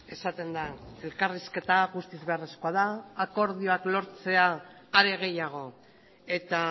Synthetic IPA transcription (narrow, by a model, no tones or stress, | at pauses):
e̞sat̪e̞nd̪ae̞lkariske̞t̪aɣust̪izβe̞areskoað̞aːko̞ɾðio̞aklo̞ɾt͡se̞aːɾe̞ɣ̞e̞jaɣ̞o̞ | e̞t̪a